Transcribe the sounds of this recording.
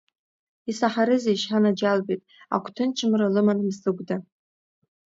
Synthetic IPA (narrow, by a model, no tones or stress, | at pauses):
isaħaɾɨzajʃħanad͡ʒalbejtʼa̰kʷʰtʰɨnt͡ʃʰɨmralɨmanmsɨɡʷda